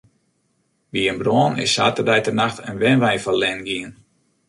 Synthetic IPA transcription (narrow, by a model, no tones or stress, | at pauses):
ʋiənbroːənɪ̰saːtərdɛjtənaxtʰənʋɛnʋɛjfɔlɛnɡiən